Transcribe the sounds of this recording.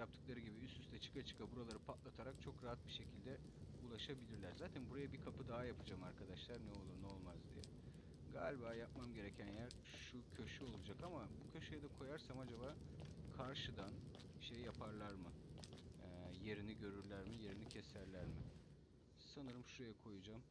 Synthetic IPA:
jap̚t̪ʰɯ̥klˠaɾɯɟibiyst̪yst̪ʰɛt͡ʃʰɯ̥kʰat͡ʃʰɯ̥kʰabuɾalˠaɾɯpʰat̪lˠat̪ʰaɾak̚t͡ʃʰo̞kɾaɦat̪̚biʃe̞cʰilʲd̪ɛ | ulˠaʃabilʲiɾlʲæɾzaːt̪ʰænbuɾajabikʰapɯd̪aɦajapʰɯd͡ʒamaɾkʰad̪aʃlˠaɾnɛo̞lˠuɾnɛo̞lˠmazd̪ḭjɛ̰ | ɡa̰ːlʲibaːjap̚mamɟe̞ɾe̞cʰænejæɾ | ʃucʰø̞ʃyo̞lˠud͡ʒakamabucʰø̞ʃyjɛd̪ɛkʰo̞jaɾsamad͡ʒabaːkʰaɾʃɯd̪an | iʃejːapʰaɾlˠaɾmɯ | je̞ɾiniɟø̞ɾyɾlʲæɾmije̞ɾinicʰɛsæɾlʲæɾmɪ | sanɯɾɯmʃuɾajakʰo̞jud͡ʒam

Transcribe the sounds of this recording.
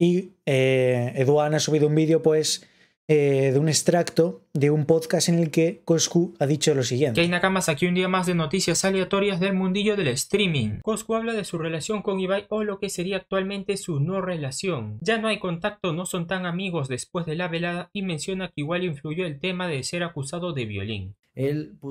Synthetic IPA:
ieeðwanasuβ̞iðoumbiðjopwes | eðuŋe̞st̪ɾakt̪od̪eumpoðkasenelkekoskuaðit͡ʃolo̞siɣjenkejnakamasakiund̪iamazðe̞no̞t̪iθjasaleat̪o̞ɾjazðe̞lmũnd̪iʎo̞ð̞elest̪ɾimḭ̃ŋkoskuaβlaðe̞sure̞lasjo̞ŋko̞ŋiβajo̞lo̞ke̞se̞ɾiaːk̚t̪walmẽ̞nt̪e̞suno̞re̞lasjo̞ŋd͡ʒano̞ajko̞nt̪ak̚t̪o̞no̞so̞nt̪aŋamiɣo̞zðe̞spwe̞zðe̞laβe̞laðaimẽ̞nsjo̞nakiɣwaliɱfluʝo̞elt̪e̞mað̞ese̞ɾakusað̞o̞ðe̞βjo̞̰lḭŋ | el

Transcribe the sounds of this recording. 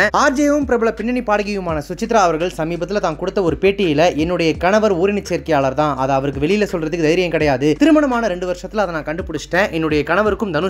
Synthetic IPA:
aːɾd͡ʒejɐʋɯmpɪɾɐbɪɭɐpɪɳːɐɳipaːɽɐɣɐjɯmaːnɐsʊt͡ʃːɪt̪ːɾaːɐʋɐɾɣɐɭsɐmiːbɐt̪ːɪlɐt̪ãːnkɔɽɯt̪ːɐɔɾɯpeːʈːɪjɪlɐʔɛnːɯɽɐjɐkɐɳɐʋɐɾuːɾɪnɪt͡ʃːeːɾkɐjaːɭɐɾt̪ãːʔɐðɐɐʋɐɾɯkːɯʋɛɭɪjɪlɐsɔlrɐðɯkːɯd̪ɐjɪɾɪjɐmkɪɽɐjaːðɯt̪ɪɾɯmɐɳɐmaːnɐɾɛɳɖɯʋɐɾʂɐt̪ːɪlɐðɐnãːkɐɳɖɯpʊɽɯt͡ʃːʈːẽːʔɛnːɯɽɐjɐkɐɳɐʋɐɾɯkːɯmd̪ɐnɯ

